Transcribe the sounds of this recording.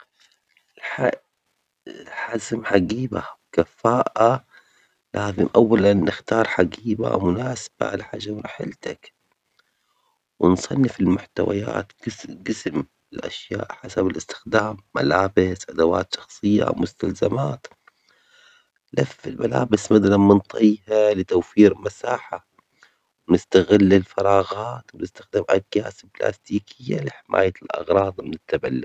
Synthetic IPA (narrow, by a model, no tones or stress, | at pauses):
ɪlħa | ɪlħazɪmħaɡiːba̰wkafaːʔa | laːzɪmʔawːalanːɪxt̪ɑːɾˤħaɡiːba̰mʊnaːsb̥a̰ʕalaħaːʒːawɾˤɑħɪlt̪ak | wɪnsˤɑnːɪfɪlmʊħt̪awa̰ja̰ːt̪ɡɡɪsm | ɪlʔa̰ʃjaːʔħasabɪlɪst̪ɪ̥xd̪aːmːalaːbɪsʔad̪awa̰ːt̪ʃɑ̥xsˤɨjːa̰wmʊst̪alzamaːt̪ | lafːɪlmala̰ːbɪsmad̪alanmɪnt̪ˤʰijhalɪt̪awfiːɾmasaːħa | wnɪst̪aɣɪlːɪlfɑɾˤɑːɣaːt̪wɪnɪst̪ḁxd̪aːmʔaɡjaːsbla̰ːst̪iːkʰɪjːalɪħɪmʔa̰ːjalʔɑ̰ɣɾˤɑːðˤmɪnɪt̪ːabalːʊ